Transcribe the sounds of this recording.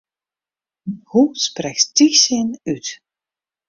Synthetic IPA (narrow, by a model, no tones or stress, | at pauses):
husprɛksd̥isɪnyt